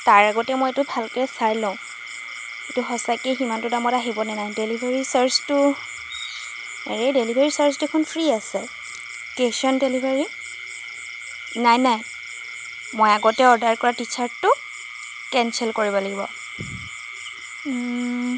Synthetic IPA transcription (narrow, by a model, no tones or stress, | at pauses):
taɹaɡɔtɛmojetʊbʱalkɛsaɹlõʊ̃ | etʊxɔsakeximantʊdamɔtaɦibɔnɛnajdelibʱeɹisaɹstʊ | ɹedelibʱeɹisaɹsdekʰunpʰɹiasɛ | tesɔndelibʱeɹi | najnaj | mojaɡɔtɛɔɹdaɹkɔɹatit͡ʃʰaɹttʊ | kɛnsɛlkoɹibɔlaɡibɔ̰